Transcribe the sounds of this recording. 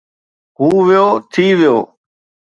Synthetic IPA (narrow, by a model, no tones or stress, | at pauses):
ɦuːʋɪjoːt̪ʰiːʋɪjoː